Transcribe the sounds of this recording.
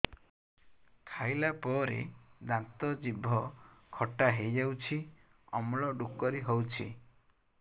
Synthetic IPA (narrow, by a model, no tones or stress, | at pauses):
kʰajlapɔɾḛd̪ãnt̪ɔd͡ʒibʱɔkʰɔʈaɦejd͡ʒawt͡ʃʰi | ɔmɭɔɖukɔɾiɦowt͡ʃʰi